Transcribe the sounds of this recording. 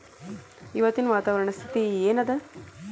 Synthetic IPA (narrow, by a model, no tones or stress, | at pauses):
iʋɐt̪inɐʋaːt̪aːʋɐɾɐɳɐst̪ʰi̥t̪ieːnɐd̪e